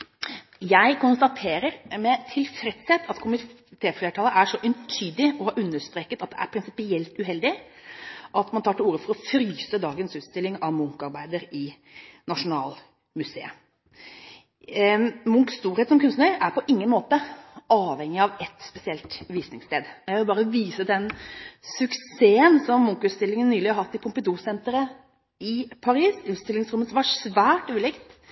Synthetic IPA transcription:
jæɪkʊnst̪ɑt̪ʰeːɾəɾmɛt̪ʰɪlfɾɛt̪sɛt̪ʰɑt̪kʰʊmɪ | t̪ʰeːfleːʈʰɑːləʔæʂɔʔʏnt̪ʰyːd̪ɪɔhɑːɾʉnːəʂt̪ɾeːkət̪ɑt̪̚d̪ɛæ̰ɾpʰɾɪnsɪpɪɛlt̪ʉɦɛld̪ɪ | ʔɑt̪mɑnt̪ʰɑːʈɪluːɾəfɔɾɔfɾyːsəd̪ɑːɡənsʉːt̪st̪ɪlɪŋɑʋmʊŋkɑɾbæɪd̪əɾɪ | nɑʂʊnɑ̰ːl | mʉsḛːə | mʊŋkst̪uːɾhet̪sɔmkʉnstnəʔæɾpʰɔʔɪŋːənmoːt̪əʔɑːʋhɛŋːɪɑʋɛt̪ːspɛsɪɛlt̪ʋiːsnɪŋst̪eːd̪jæʋɪlbɑːɾəʋiːsəd̪ɛnsʉkseːənsɔmːʊŋkʉːt̪st̪ɪlːɪŋənːyːlɪhɑɾhɑt̪ːɪpʰʊmpəd̪uːsɛnt̪əɾə | ɪpʰɑɾiːsʉːt̪st̪ɪlːɪŋsɾʊmːət̪smɑʂʋæːʈʉːlɪkt̪

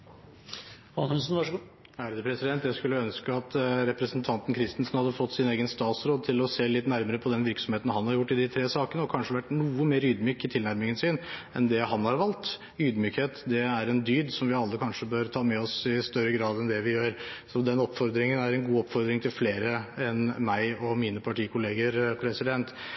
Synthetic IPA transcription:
ɑnhʉnsnʋɑʂ | æːɾəd̪əpʰɾɛsɪd̪ɛnt̪jæɪskʉlːəœnskəɑt̪ɾɛpɾəsənt̪ʰɑnt̪n̩kʰɾɪst̪ɪnsn̩hɑd̪ːəfɔt̪ːsɪneːɡənst̪ɑːt̪sɾoːd̪̚t̪ʰɪlɔseːlɪt̪næɾməɾəpʰɔd̪ɛnʋɪɾksɔmheːt̪n̩hɑnhɑɾjʊʈːɪd̪ɪt̪ʰɾeːsɑːkənəɔkʰɑnʂəʋæʈːnuːəmeːɾyːd̪myːkɪt̪ʰɪlnæɾmɪŋənsɪnɛ̰nd̪ɛɦɑnhɑɾʋɑlt̪ | yːd̪myːkheːt̪d̪ɛæɾɛnd̪yːd̪sɔmʋɪɑlːəkʰɑnʂəbøːɾt̪ʰɑːmɛɔsɪst̪œɾːəɡɾɑːd̪ɛnd̪ɛʋɪjøːɾsɔd̪ɛnɔpːfɔɾd̪ɾɪŋənæɾɛnɡuːɔpːfɔɾd̪ɾɪŋt̪ʰɪlfleːɾəɛnmæɪɔmiːnəpʰɑʈʰiːkʊleːɡəɾpʰɾɛsɪd̪ɛnt̪

